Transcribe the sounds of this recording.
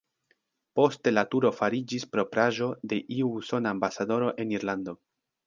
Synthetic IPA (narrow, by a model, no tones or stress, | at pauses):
po̞ste̞latuɾo̞faɾid͡ʒispɾo̞pɾaʒo̞de̞ʔiuso̞naːmbasado̞ɾo̞ʔe̞niɾland̪o̞